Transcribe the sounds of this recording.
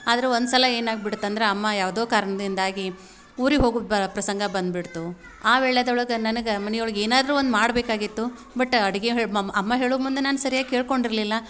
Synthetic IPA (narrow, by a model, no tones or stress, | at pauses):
aːd̪ɐɾeond̪sɐlɐe̞ːnaːɡ̚biɽut̪ːɐnd̪ɐɾe̞ɐmːɐjaːʋɐd̪oːkaːɾɐɳɐd̪ind̪aːɡi | uːɾiɦo̞ːɡupɾɐsɐŋɡɐbɐnd̪̚biɽt̪u | aːʋɛːɭːed̪ɐɭɐɡɐnɐnɐɡemɐnɐjuɭɐɡeːnaːd̪ɐɾuːond̪maːɽbeːkaːɡit̪ːu | bɐʈːɐɽiɡeɦeːɭɐɐmːɐɦe̞ːɭumund̪enaːnusɐɾijaːɡ̚keːɭko̞ɳɖiɾlilːɐ